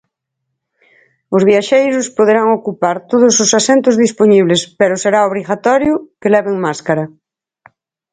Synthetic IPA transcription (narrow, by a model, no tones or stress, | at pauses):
ʊzβjaʃejɾʊspoðeɾaŋokupaɾt̪oðʊsʊsasent̪ʊzðisponiβlespeɾʊseɾaoβɾiɣat̪ɔɾjʊkelɛβɪŋmaskaɾɐ